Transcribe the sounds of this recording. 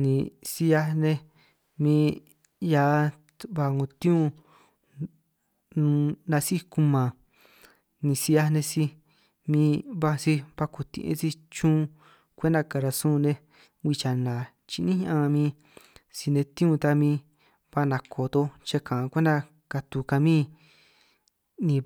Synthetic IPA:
nĩ˨si˧ja˧nẽ˧ | mĩ˧ | ja˧˦ | βa˧ŋõ˧˨t̪ĩ˦ũ˧ | nũ˧nã˧si˦ku˧mã˨ | nĩ˨si˧ja˧nẽ˧si˧ | mĩː˧βa˧si˧βa˧ku˨t̪ḭ̃˧ʔḛ̃˧˦t͡si˦t͡ʃũː˦˧ | kʷe˦nd̪a˧ka˨ɾa˧sũː˦˧nẽ˧ | wi˧t͡ʃa˨nã˨ | t͡ʃi˧nĩ˦ɲ˦ã˧mĩ˧˦ | si˧nẽ˧t̪ĩ˦ũ˦˧t̪a˧mĩː˧ | βa˧nã˨kʰo˨t̪o˧t͡ʃe˧kã˨˧kʷẽ˦nd̪a˧ | ka˧t̪u˨ka˧mĩː˦ | nĩ˧

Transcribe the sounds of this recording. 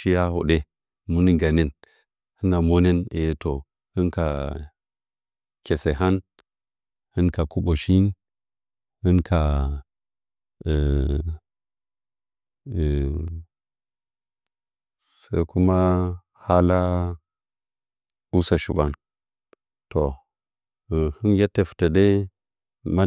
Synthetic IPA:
ʃi˦ja˦ho̰˨ɗe˦ | mu˦ni˦ɡa˨ne˦n | hi˦na˨mo˦ne˦ne˨˦to˨ | hɨ˦nka˨ | kʲe˨se˨ɦa˦n | hɨ˦nka˨ku˦ɓo˨ʃi˦n | hɨ˦nkʰa˨ | sa˦ku˦ma˦ | ha˦la˦ | u˦sa˨ʃṵ˨ba˦n | to˨ | hɨ˦nje˦tːe˨fta˨de˦ | ma˦

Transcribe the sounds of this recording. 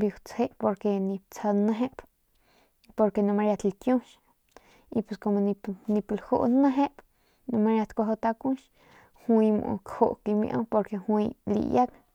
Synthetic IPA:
bi˧wt͡she˦ʔpo˧ɾke˧nĩ˧p̚t͡sa˧nə̃˧ɦe˦p | po˧ɾke˧nũ˧ma˧ɾja˧t̪lkjũ˦ʃ | i˧pe˧sko˧mo˧ni˧nĩ˧plho̰˧ʔnə̃˦ɦe˦p | nũ˧ma˧ɾja˧t̪kʷa˧ɦo˧t̪a˧kũ˦ʃ | hwĩ˧mṵ̃˧kho˧ʔki˧mḭ̃˧ʔõ̰˧˦po˧ɾke˧hwĩ˧lḭ˧˨ja˦k

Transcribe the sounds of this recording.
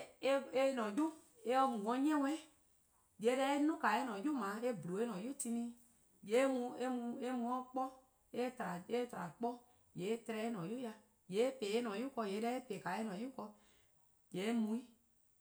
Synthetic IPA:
e˦e˦nɔ̃˨d͡ʒu˦ | e˦ɔ˧mũ˨wɔ̃˧˦ɲ˦ɛ̃˦w̃ɛ˦ | je˨˦dɛ˧˦e˦nũ˦ka˨e˦nɔ̃˨ju˦mã˨˦e˦blu˨e˦nɔ̃˨ju˦ti˧nĩ˦ | je˨˦mũ˧e˦mũ˧e˦mũ˧ɔ̃˦k͡pɔ˦ | e˦tɾa˨e˦tɾa˨k͡pɔ˦ | je˨˦tɾɛ˧e˦nɔ̃˨ju˦ja˧ | je˨˦e˦pe˨e˦nɔ̃˨ju˦kɔ˧je˨˦dɛ˦e˦pe˨ka˨e˦nɔ̃˨ju˦kɔ˧ | je˨˦mũ˧˦i˦

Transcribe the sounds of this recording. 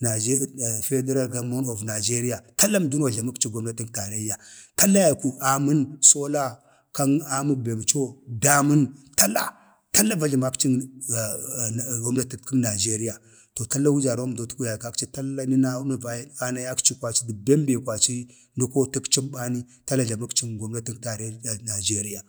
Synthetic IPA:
na˨d͡ʒfe˦de˦ɾa˦ɾɡa˦mo˦no˨vna˨d͡ʒe˦ɾi˦ja˨ta˦lːa˦m˨du˦n˦a˨ɮa˨mu˦kt͡ʃi˦ɡo˦m˦da˦ti˦kta˨ɾa˦i˦ja˨ta˦lːa˦ja˨ku˨ʔa˨mu˦nso˦la˦ | ka˦na˦mu˦k̚be˨m˨t͡ʃo˦da˦mu˦nta˦la̰˦ | ta˦lːa˦va˦ɮi˨ma˦kt͡ʃi˦˨ | ɡo˦mna˦ti˦ki˦na˨d͡ʒe˦ɾi˦ja˨ | to˨ta˦lːa˦wu˦d͡ʒa˨ɾo˦m˨do˨tu˦ku˦ja˨ka˦kt͡ʃi˦ta˦la˦ni˦na˦na˦a˨˦a˦na˦ja˦kt͡ʃi˦kwʷa˨t͡ʃi˦di˨be˦m˦be˨kʷa˨t͡ʃi˦ | ndu˦ko˦ti˦kt͡ʃi˦mba˦ni˦ | ta˦lːa˦ɮa˨ma˦kt͡ʃi˦nɡo˦mna˦ti˦ta˨ɾe˦˨na˨d͡ʒe˦ɾi˦ja˨

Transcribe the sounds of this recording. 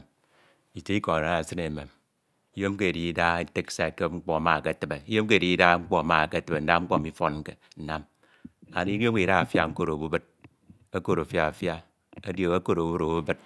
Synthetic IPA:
i˨te˦i˦ko˨a˨ɾa˨sɨ˦ne˨me˨m | i˦jo˦m˦ke˦e˨di˨i˦da˦e˦te˦ksa˨ke˦ŋ͡m̩˦k͡pɔ˦a˨ma˨ke˦a˨tɨ˨be˨i˦jo˦mk̬e˦˨i˦i˦da˦ŋ͡m̩˦k͡po˦a˨ma˨ke˦˨te˨be˨n̩˦da˦ŋ͡m̩˦k͡po˦˨mi˦fo˦n˦ke˨ | n̩˦na˦m | a˨ni˦jo˦i˨ɾa˦a˨fja˦ŋ̩˦ko˦ɾo˨bu˦bɨ˦t̚ | a˦ko˦ɾo˨fja˨a˨fja˦ | a˦djo˨a˦ko˦ɾo˨˦u˦ɾo˨bu˦bɨ˦t̚

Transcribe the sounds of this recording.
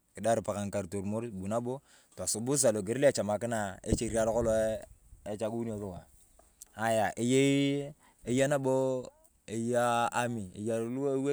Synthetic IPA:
ki˨da˦ɾpa˨ka˨ŋka˨ɾto˨ɾmo˦ɾbu˨na˦bo˦ | ta˨so˨bu˦s̬a˨lo˨ɡe˨ɾla˨t͡ʃa˨ma˨ki˦na˨ḛ˦t͡ʃe˨ɾi˦a˦lo˦ko˦lo˦e˦t͡ʃa˦ku˦n˦o˨ɾu˦wa˨ | a˦ja˨ʔe˨je˦ | e˦ja˦na˦bo˦ | e˨jaː˦mi˨ḛ˨ja˨˦lu˦we˦

